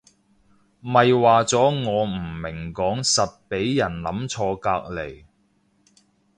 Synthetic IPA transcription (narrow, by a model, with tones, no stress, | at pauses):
mɐ˨jwaː˨t͡sɔː˨˥ŋɔː˨˧m̩˨˩mɪ˨˩ŋkɔː˨˥ŋsɐ˨t̚pe˨˥jjɐ˨˩nlɐ˨˥mt͡sʰɔː˧kaː˧k̚le˨˩j